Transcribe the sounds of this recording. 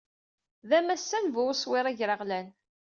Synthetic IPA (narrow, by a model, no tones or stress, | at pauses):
ðæmæsːænvʊwswɪɾˤæʝɾəʁlæn